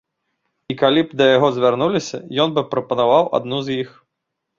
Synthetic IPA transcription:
ikalʲibd̪ɐjaɣɔzʲvʲarnulʲisʲɐ̰jɔnbɨpɾɐpɐnavawa̰d̪̚nuzʲjix

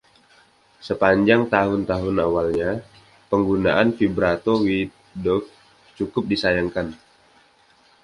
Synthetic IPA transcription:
səpaɲd͡ʒaŋt̪aɦʊnt̪aɦʊnawalɲa | pəŋɡuna̰ʔanfibɾat̪ɔwi | dɔk̚ | t͡ʃukʊp̚disajaŋkan

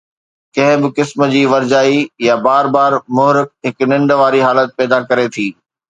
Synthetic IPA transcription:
kɐ̃ɦɪ̃bɪkɪsm̆d͡ʑiːʋɐɾd͡ʑaːijabaːɾbaːɾmʊɦɾɪk̚ɦɪknɪ̃ɳɖʋaːɾiɦaːlət̪̚pɛːd̪akɐɾet̪ʰiː

